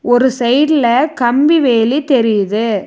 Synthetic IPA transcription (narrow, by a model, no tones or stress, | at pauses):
ɔɾɯsɐɪɽɪlɐkɐmbiʋeːlit̪ɛɾɪjɐðɯ